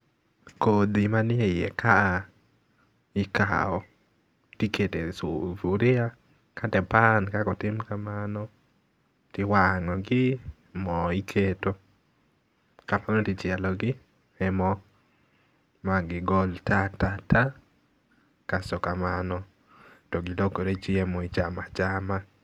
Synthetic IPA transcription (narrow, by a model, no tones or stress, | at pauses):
kod̪imanɪɛjɛ̰kʰa | ɪka̰ɔ | tiketesufuɾɪa | katɛpankakɔtɪmkamanɔ | tɪwaŋɔɡɪ | mɔikʰeto | kamanɔtɪt͡ʃɪɛlɔɡɪ | ɛmɔ | maɡɪɡɔltatata | kasɔkamanɔ | tɔɡɪlokoɾet͡ʃiemoit͡ʃamat͡ʃama